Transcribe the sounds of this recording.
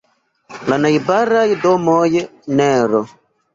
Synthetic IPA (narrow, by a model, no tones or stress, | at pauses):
lanajbaɾajdomojenɛɾɔ